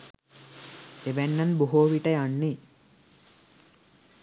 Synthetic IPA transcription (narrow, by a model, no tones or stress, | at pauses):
eʋɛnːanboɦoːʋiʈɐjanːi